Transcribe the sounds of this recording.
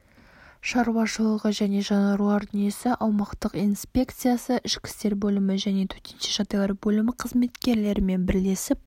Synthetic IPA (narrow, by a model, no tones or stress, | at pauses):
ʃɑɾwɑʃəlˠəʁəʒæne̞ʒɑnɑɾuaɾʲijesɪʔɑlˠmɑqt̪əqijnspʲe̞kt̪sɨjasəʔɪʃkʲɪ̥st̪e̞ɾbɵlɪmɪʒæne̞t̪ʰɵ̥ɾt̪enʃeʒɑt̪ɑɡʲɑɾbɵlɪmɪqʰəzme̞t̪kʲe̞ɾle̞ɾɪme̞nbɪɾle̞sɪp̚